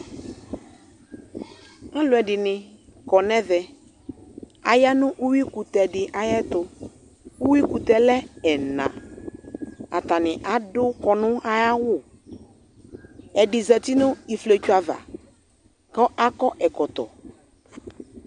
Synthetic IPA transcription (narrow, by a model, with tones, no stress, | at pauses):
a˦lʊ˨ɛ˨ɖɪ˨nɪ̃˨kɔ˨nɛ̃˦ðɛ˨ | a̰˨ja˦nʊ̃˦ʔu˦wi˦ku˨t̪ɛ˨ɖɪ˨ʔa˦jɛ˦t̪ʊ˦ | u˦wi˦ku˨t̪ɛ˨lɛ˦ɛ˨nã̰˨ | a̰˨t̪a˨nɪ̃˨ʔa˨dʊ˦kɔ˨nʊ̃˦a˦ja˦wʊ˦˨ | ɛ˨dɪ˨zɛ˨t̪i˦nʊ̃˦i˨fle˨t͡ʃu˦a˨va̰˨ | kɔ˦ʔa˦kɔ˦ʔɛ˨kɔ˨t̪ɔ̰˨